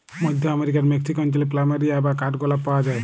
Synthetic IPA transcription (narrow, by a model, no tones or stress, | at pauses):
mɔd̪ʱjɔameɾikaɾmeksikɔnt͡ʃɔleplamaɾiabakaʈɡɔlapawad͡ʒae